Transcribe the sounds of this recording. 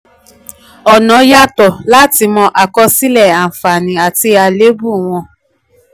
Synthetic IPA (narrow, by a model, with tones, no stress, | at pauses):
ɔ˨nɔ̃˨˦ja˦tɔ˨la˦ti˧mɔ̃˧ʔa˨kɔ˧si˦lɛ˦˨a˨fa˨nĩ˨a˨ti˧˦a˧le˨˦bu˦˨w̃ɔ̃˧